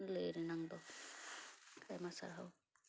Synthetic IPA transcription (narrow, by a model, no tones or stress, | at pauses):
leɾinaŋd̪ɔ | kʰajmasa̰ɾɦaw